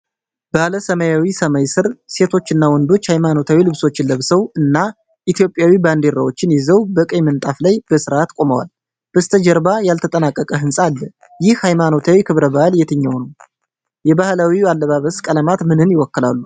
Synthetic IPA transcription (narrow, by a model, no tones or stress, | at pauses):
b̥aləsəmajawisəmajsɨɾse̞t̪ʰo̞t͡ʃːɨnːawɔnd̪o̞t͡ʃːhajmano̞t̪ʰawilɨβso̞t͡ʃːɪlːəβsəwɨnːa | ʔit̪ijo̞pʼːjawiband̪eɾawo̞t͡ʃːɪnjɛzəwbəkʼəjmənt̪ʼaflajb̥əsɨɾat̪kʼo̞məwa̰l | b̥əst̪ʰəd͡ʒɛɾbajalt̪ʰət̪ʼənakʼːəkʼəɦɨnsʼalːə | jɪhhajmano̞t̪ʰawikʰɨβɾəbahljɛt̪ʰɨɲːəwnəw | jɛbahlawialːəβaβəskʼələmat̪mɨnɨnjɪwɔkːɨla̰lːu